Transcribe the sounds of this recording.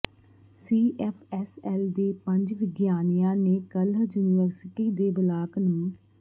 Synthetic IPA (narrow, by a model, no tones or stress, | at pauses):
siːʔɛpʰɛsɛːld̪eːpəɲd͡ʒʋɪɡjaːnijãːneːkəljuːniʋəɾsɪʈiːd̪eːbəlaːknũː